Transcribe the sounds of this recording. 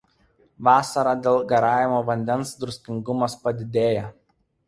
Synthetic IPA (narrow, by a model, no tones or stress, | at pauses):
ʋɑːsɐɾɑːd̪ʲeːlˠɡɐɾɑːjʲɪmoːʋɐnʲd̪ʲɛnsd̪ɾʊsʲk̪ʲɪŋɡʊmɐspɐd̪ʲɪd̪ʲeːjɛ